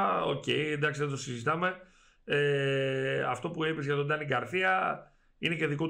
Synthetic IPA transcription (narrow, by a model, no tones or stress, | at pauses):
o̰ce̞jend̪ɐksiðet̪o̞sizit̪ɐme̞ | e | ɐ̰ft̪o̞puipezʝɐt̪o̞d̪ɐniɡɐɾθiɐ | inece̞ðikot